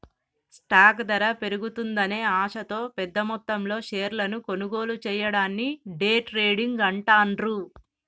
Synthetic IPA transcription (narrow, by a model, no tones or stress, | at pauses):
sʈaːkd̪ɐɾɐpe̞ɾuɡut̪und̪ɐne̞ːaːʂɐt̪o̞ːpɛd̪ːɐmɔt̪ːɐmlo̞ːʃeːɾlɐnuko̞nuɡo̞ːlut͡ʃɛːjɐɽaːnːiɖeːʈɾe̞ːɽiŋɡɐɳʈaːnɾu